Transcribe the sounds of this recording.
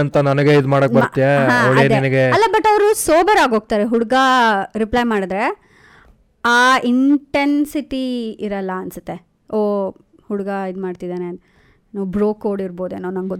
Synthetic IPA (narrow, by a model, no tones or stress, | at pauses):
ɐnt̪ɐnɐnɐɡeid̪maːɽokbɐɾɾt̪ːijeɦãɐ̰ʋɭeːnɛnɐɡeɐlːɐbɐʈːɐʋɾusoːbɐɾaːɡo̞ːɡ̚t̪aːɾeɦuɽuɡɐɾiplɐjmaːɽid̪ɾe | aːiɳʈensiʈiiɾɐlːɐːnsɐt̪ːe̞ | oː | huɽuɡɐid̪maːɽt̪id̪aːne | nuʋbɾoːkoːɽiɾbo̞ːd̪eːnːoːnɐnɡo